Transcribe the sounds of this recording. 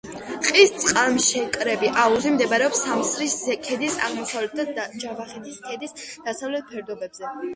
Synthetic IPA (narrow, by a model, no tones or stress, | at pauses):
qʼist̪sʼqʼaɾmʃɛkʼɾɛbiʔauzimd̪ɛbaɾɛɔpsamsɾisɛkʰɛd̪isa̰ʁmɔsavlɛt̪̚t̪ʰad̪d͡ʒavaχɛt̪ʰiskʰɛd̪isd̪̥asavlɛt̪̚ʰpʰɛɾd̪ɔbɛbz̥ɛ